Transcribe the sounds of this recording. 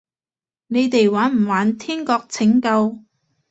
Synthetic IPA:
ne˨˧jt̪e˨jwaː˨˥nm̩˨˩waː˨˥nt̪ʰiː˥nkɔː˧k̚t͡sʰɪ˨˥ŋkɐ˧w

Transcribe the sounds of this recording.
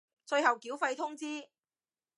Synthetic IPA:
t͡sɵ˧ɥhɐ˨˩wkiː˨˥wfɐ˧jt̪ʰʊ˥ŋt͡siː˥

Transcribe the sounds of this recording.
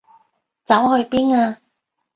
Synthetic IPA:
t͡sɐ˨˥whɵ˧ɥpiː˥naː˧

